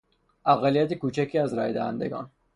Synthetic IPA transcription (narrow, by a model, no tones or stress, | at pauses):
ʔæɣælijæt̪ʰekuːt͡ʃʰækʰiːæzɾæːjd̪æhæ̰nd̪eɡɒ̰ːn